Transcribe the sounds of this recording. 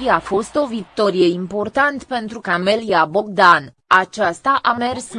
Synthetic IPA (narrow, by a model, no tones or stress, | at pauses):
iafo̞st̪o̞vik̚t̪o̞ɾijeimpo̞rt̪ant̪pe̞nt̪ɾukameliabo̞ɡ̚d̪an | at͡ʃast̪aʔame̞rs